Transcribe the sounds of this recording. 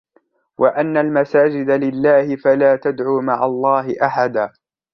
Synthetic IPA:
wʔaʔanːalmasaːd͡ʒɪd̪alɪlːaːhɪfalaːt̪ad̪ʕuːmaʕa̰lˤːɑːɦɪʔaħad̪aː

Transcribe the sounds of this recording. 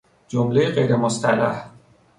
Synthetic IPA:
d͡ʒomlejeɢejɾemost̪ʰælæ̰h

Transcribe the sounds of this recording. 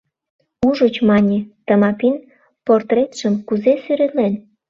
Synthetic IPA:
uʒot͡ɕmɑnʲet̪əmɑpin | port̪ret̪ʃəmkuzesyɾelen

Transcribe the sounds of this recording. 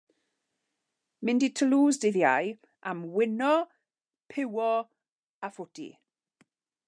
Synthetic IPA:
mɪnditʰəluːzdɪðjaj | ʔamwɪnɔ | pʰɪwɔ | afʊtḭ

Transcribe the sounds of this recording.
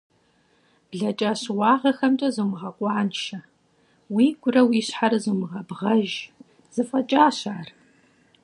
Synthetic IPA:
b̥ɮɐt͡ʃʼaːɕwɑːʁɐxɐmtʼɐzumɨʁɐkʷʼɑːnʃɐ | wiːɡʷʊrɐwiːɕħaɾɨzumɨʁɐbʁɐʒ | z̥ɨfʼɐt͡ʃʼaːɕaːr

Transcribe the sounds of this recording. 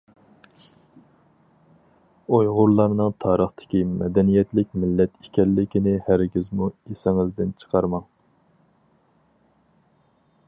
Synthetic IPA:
ojʁʊɾlˠɑɾnɨŋt̪ʰɑːɾəχt̪ʰɪ̥kʲimɛ̰d̪ɛnijɛt̪lɪkʲmɪlːɛt̪ikʲʰɛlːɪkʲinɪhæɾɡʲizmuesɪŋɪzd̪ɪnt͡ʃʰə̥qʰɑɾmɑŋ

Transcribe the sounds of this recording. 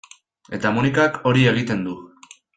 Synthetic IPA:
e̞t̪amunikako̞ɾie̞ɣ̞it̪e̞nd̪u

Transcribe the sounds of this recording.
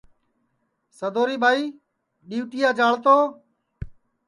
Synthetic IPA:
səd̪oːɾiːbʱaːiː | ɗiːʋʈiːjaːd͡ʒaːɭt̪oː

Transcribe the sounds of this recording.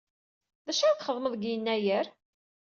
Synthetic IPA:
ðæʃæɾθχəðˤməðˤɡjənːæjəɾ

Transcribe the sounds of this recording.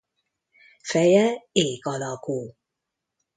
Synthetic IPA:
fɛjɛeːɡɒlɒkuː

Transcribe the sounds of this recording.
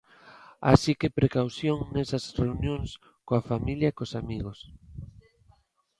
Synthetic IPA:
a̰sikepɾekawθjoŋnɛsɐsreunjoŋs | koafamiljɐkosamiɣos

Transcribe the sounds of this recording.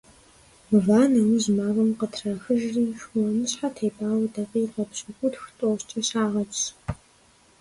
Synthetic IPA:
mɨvaːnɐwɨʑmaːvɐmqətʰraːxɨʒriːʃwɐmɨɕħatʰeːbʼaːwdɐqiːqɐpɕʼɐkʷʼʊtxtʼort͡ʃʼɐɕaːʁɐt͡ʃʼ

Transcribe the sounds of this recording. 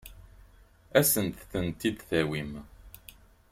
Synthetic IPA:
æsənt̪θənt̪id̪θæwim

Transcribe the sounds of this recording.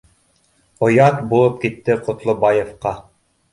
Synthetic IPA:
ŏjɑt̪bulˠɤp̚kit̪ːɘqŏt̪lˠobɑjefqɑ

